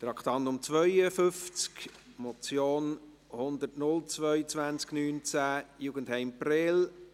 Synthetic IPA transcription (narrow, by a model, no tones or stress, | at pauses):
t̪ɾɑkχt̪ɑntʊmt͡sʋœʏəfʏft͡sk | mɔt͡sjoːn | hʊnd̪ətnʊlt͡svœʏt͡sʋænt͡sknyːnt͡sæːjuɡən̩thɛɪmpɾeːl